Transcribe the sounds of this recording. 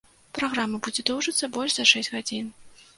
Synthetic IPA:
pɾaɣɾamɐbud͡zʲɛd̪ɔwʐɨt̪sːɐbɔlʲʂzɐʂɛsʲtʲɣad͡zʲin

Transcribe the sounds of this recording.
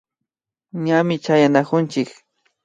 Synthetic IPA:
ɲamɪt͡ʃajanakʊnt͡ʃɪk

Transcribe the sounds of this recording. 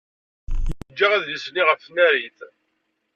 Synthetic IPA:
əd͡ʒːaʁæððisniʁəfnæɾiθ

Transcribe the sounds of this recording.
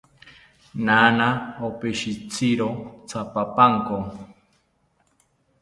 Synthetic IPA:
nanaopeʃit͡sʰiɾot͡sʰapapaŋko

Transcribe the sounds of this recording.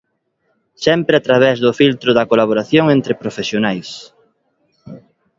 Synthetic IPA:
sɛmpɾeat̪ɾaβ̞ɛzðʊfilt̪ɾʊðɐkolaβoɾaθjoŋent̪ɾɪpɾofesjonajs

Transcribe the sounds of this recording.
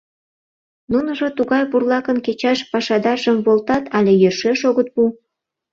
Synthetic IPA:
nunəʒot̪uɣɑjpurlɑkənket͡ɕɑʃpɑʃɑd̪ɑrʒəmβolt̪ɑt̪ɑlʲejerʃeʃoɣət̪̚bu

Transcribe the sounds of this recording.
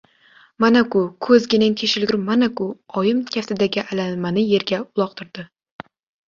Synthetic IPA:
manakʊkʰɵzɡʲɪnɪŋt̪ʲʰeʃɪlɡʲʊɾmanakʊɒjɪmkʲʰaft̪ʰɪd̪aɡʲɪʔalanmanɪje̞ɾɡʲaʊlˠɒq̚t̪ʰɪɾd̪̥ɪ

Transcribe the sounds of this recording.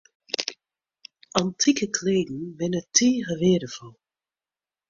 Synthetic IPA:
ʔɑntʰikəkʰleːdn̩ʋɪnətʰeːɦəʋɪːdəfɔlˠ

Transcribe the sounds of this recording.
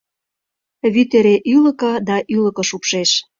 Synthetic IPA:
βyt̪eɾeʔylə̆kɤ̆d̪ɑʔylə̆kɤ̆ʃupʃeʃ

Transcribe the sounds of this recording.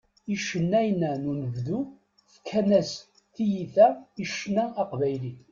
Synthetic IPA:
iʃənːæjnænunəvðu | θə̥kʰːænæs | θijiθæiʃnæːqvæjli

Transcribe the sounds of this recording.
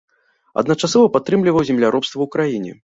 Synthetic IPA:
ɐ̰d̪nɐt͡ʂasɔvɐpat̪ːɾɨmlʲivɐwzʲɛmlʲaɾɔpst̪vɐwkɾajinʲɛ̰

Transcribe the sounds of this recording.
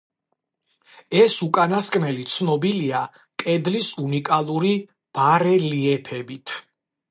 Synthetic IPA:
ɛsukʼanaskʼnɛlit̪sʰnɔbilia | kʼɛd̪lisunikʼalˠuɾi | b̥aɾɛliɛpʰɛbit̪ʰ

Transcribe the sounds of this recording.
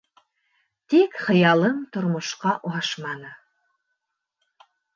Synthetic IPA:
t̪ikχɤ̆jɑlˠɤmt̪ŏɾmŏʃqɑʔuɑʃmɑnɤ

